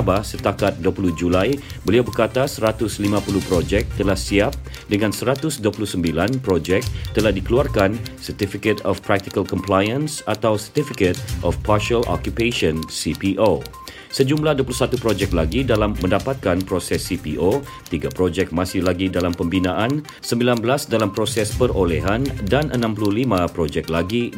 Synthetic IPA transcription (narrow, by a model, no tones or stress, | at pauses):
bahsət̪akat̪̚duəpuluhd͡ʒulajbəliawbərkat̪asəɾat̪ʊslimãpuluhpɾod͡ʒɛk̚t̪əlahsiap̚ | dəŋãnsəɾat̪ʊsduəpuluhsəmbilanpɾod͡ʒɛk̚t̪əlahdikəluarkansərt̪ifikət̪ɔfpɾak̚t̪ikəlkɔmplajə̃nsat̪awsərt̪ifikət̪̚ʔɔfparʃəlʔɔ̰kjupeʃɔnsipiʔo | səd͡ʒumlahduəpuluhsat̪upɾod͡ʒɛk̚laɡidalamːə̃ndapat̪̚kanpɾosɛsːipiʔo | t̪iɡapɾod͡ʒɛk̚masɪhlaɡidalampəmbinãʔan | səmbilanbəlasdalampɾosɛspərolɛɦandanʔənãmpuluhlimãpɾod͡ʒɛk̚laɡi